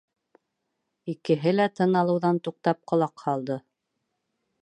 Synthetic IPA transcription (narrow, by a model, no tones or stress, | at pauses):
ikɘ̆ɦɘlæt̪ɤ̆nɑlˠɤ̆wðɑnt̪uq̚t̪ɑp̚qŏlˠɑqhɑlˠd̪ɤ